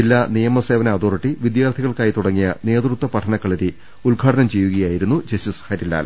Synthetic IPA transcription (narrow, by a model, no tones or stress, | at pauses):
ilːaːnijɐmɐse̞ːʋɐnɐɐːd̪oːriʈːiʋid̪jaːrt̪ʰiɣɐɭkaːjit̪uɽɐŋːijɐne̞ːd̪rut̪wɐpɐʈʰɐnɐkːɐɭɐɾi | ulɡʱaːʈʰɐnɐmt͡ɕe̞jːuɣɐjaːjiɾun̪ːud͡ʑɐsushɐɾilːa̰ːl